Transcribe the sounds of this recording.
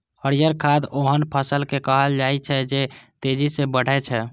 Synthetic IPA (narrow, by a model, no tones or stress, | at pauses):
həɾijəɾkʰad̪oɦənpʰəsəlkekəɦəld͡ʒajt͡ʃʰɛd͡ʒet̪ed͡ʒisebəɽ̤ɛt͡ʃʰɛ